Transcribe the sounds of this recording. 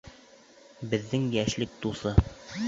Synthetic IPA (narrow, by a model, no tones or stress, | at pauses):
bɘ̆ðːɘŋjæʃlɘk̚t̪usɤ